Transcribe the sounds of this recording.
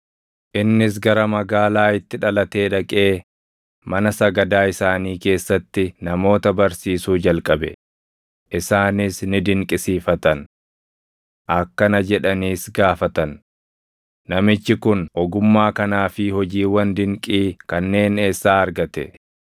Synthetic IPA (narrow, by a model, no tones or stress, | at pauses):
ʔɪnːɪs̬ɡɐɾɐmɐɡaːlaːɪt̪ːɪᶑɐlɐt̪e̞ːᶑɐkʼe̞ː | mɐnɐsɐɡɐd̪aːɪsaːniːke̞ːsːɐt̪ːɪnɐmo̞ːt̪ɐbɐɾsiːsuːd͡ʒɐlkʼɐbɛ̰ | ʔɪsaːnɪsnɪd̪ɪŋkʼɪsiːfɐt̪ɐn | ʔɐkːɐnɐd͡ʒɛᶑɐniːsɡaːfɐt̪ɐn | ɐmɪt͡ʃːɪkʊnɔɡʊmːaːkɐnaːfɪhɔd͡ʒiːwɐnd̪ɪŋkʼiːkɐnːe̞ːne̞ːsːaːɐɾɡɐt̪ɛ̰